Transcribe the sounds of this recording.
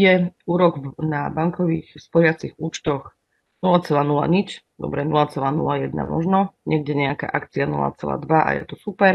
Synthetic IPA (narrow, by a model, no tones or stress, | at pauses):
jɛuːɾɔɡnabaŋkɔʋiːxspɔɾɪat͡siɣuːt͡ʃt̪ɔx | nulat͡sɛlaːnula̰ɲit͡ʃ | d̪ɔ̰bɾɛnulat͡sɛlaːnṵlajɛd̪na̰mɔ̰ʒnɔɲɛɡ̚ɟɛɲɛaka̰ːʔakt͡sianṵla̰t͡sɛla̰ːd̪ʋaʔa̰jɛ̰t̪ɔsupɛɾ